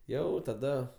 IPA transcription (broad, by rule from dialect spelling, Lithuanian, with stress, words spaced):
ˈjɛʊ tɐˈdɐ